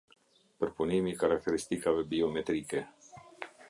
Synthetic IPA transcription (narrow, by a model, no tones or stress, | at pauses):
pɾpunimikaɾak̚t̪eɾist̪ikavebiomet̪ɾike